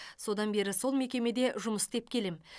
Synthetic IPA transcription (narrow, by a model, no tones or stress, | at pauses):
so̞d̪ɑnbe̞ɾɪso̞lˠme̞kʲe̞me̞d̪e̞ʒʊməsd̪e̞p̚kʲʰe̞lem